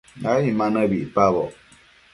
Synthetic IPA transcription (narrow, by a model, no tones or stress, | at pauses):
ajimanabipabɔ̰